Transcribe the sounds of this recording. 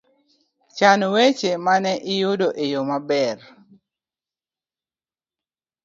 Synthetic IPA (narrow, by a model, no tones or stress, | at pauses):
t͡ʃanwet͡ʃemanɛʔɪjʊdoʔejomabɛr